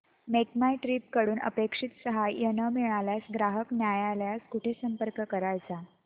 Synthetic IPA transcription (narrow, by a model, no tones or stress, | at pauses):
mekmajʈɾiːp̚kəɽuːnə̰pekʂit̪səɦajjənəmiɭaljasɡɾaɦəknjajaljaskuʈʰesəmpəɾkəkəɾajt͡sa